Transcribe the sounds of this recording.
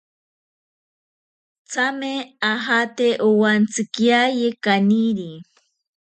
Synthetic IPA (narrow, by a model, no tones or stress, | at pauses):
t͡sameaɦat̪eʔʊwant͡sɪkjajekaniɾi